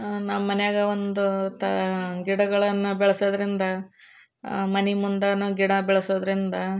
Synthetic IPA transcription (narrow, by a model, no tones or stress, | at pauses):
namɐnejaːɡɐond̪ut̪ɐɡiɽɐɡɐɭɐnːubɛɭɐsoːd̪ɐɾind̪ɐ | mɐnimund̪ɐnuɡiɽɐbɛɭɐsoːd̪ɐɾind̪ɐ